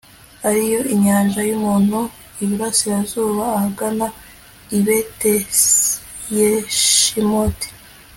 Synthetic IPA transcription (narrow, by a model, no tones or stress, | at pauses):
aɾijo̞ʔiɲaːnʒajumuːnhu | iβiɾasiɾazuːβaːhaɡana | iβete | jeʃimoti̥